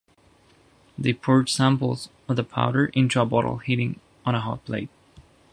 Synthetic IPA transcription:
ðeɪpʰʊɹd̥sæ̃mpl̩ˠz | ʌvðəpʰa̰ʊɾə˞ʔɪ̃ntɹ̥əbɑ̰ɾl̩ˠhiɾɪ̃ŋ | ə̃ñəɦɑ̰t̚pʰl̥ḛɪt̚

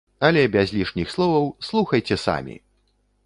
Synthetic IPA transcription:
ɐlʲɛbʲazʲlʲiʂnʲixslˠɔvɐwslˠuxɐjt͡sʲɛsa̰mʲḭ

